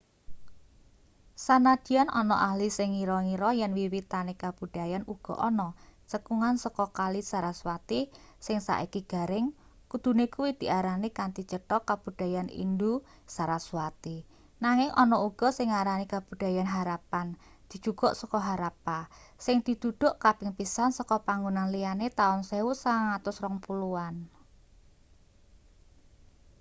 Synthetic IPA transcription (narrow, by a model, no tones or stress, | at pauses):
sanad̪̥i̤anʔɔnɔʔaɦlisɪŋiɾɔŋiɾɔjɛnwiwit̪anekab̥ṳɖ̥ajanuɡ̥ɔ̤ʔɔnɔt͡ʃəkuŋansɔkɔkalisaɾaswat̪i | sɪŋsa̰ʔikiɡ̥a̤ɾɪŋ | kud̪̥ṳnekuwid̪̥i̤ʔaɾanikant̪it͡ʃəʈɔkab̥ṳd̥a̤janḭndu | saɾasuwat̪i | naŋɪŋʔɔnɔuɡ̥ɔ̤sɪŋːaɾanikab̥ṳd̪̥a̤janɦaɾapan | d̪̥i̤̥d͡ʒ̥ṳɡ̥ɔ̤ʔsɔkɔɦaɾapasɪŋd̪̥i̤d̪̥ṳd̪̥ʊ̤ʔkapɪŋpisansɔkɔpaŋɡunanlijanet̪aʊnsewusaŋat̪ʊsrɔŋpuluan